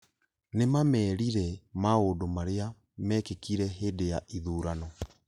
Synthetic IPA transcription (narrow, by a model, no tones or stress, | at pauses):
nemamɛːɾiɾɛmaoːdomaɾea | mɛːkekiɾɛɦeːdejaʔiðuːɾanɔ